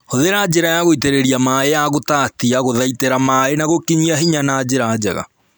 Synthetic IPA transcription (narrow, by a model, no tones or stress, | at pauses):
hoðeɾad͡ʑeɾajaɣoiteɾeɾiamaeaɣotatiaɣoðaiteɾamaenaɣokiɲiaɦiɲanaːd͡ʑeɾad͡ʑɛ̰ɣa̰